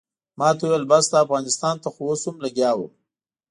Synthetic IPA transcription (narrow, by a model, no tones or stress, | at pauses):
mɑt̪awuwjəlbasd̪ɑafɣɑnɪst̪ɑnt̪axoosʊmlaɡjɑwə̰m